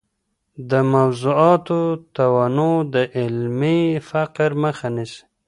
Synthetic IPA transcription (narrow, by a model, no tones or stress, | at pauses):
d̪əmawzuɑt̪ot̪awanod̪əʔɪlmifaqɾməxanis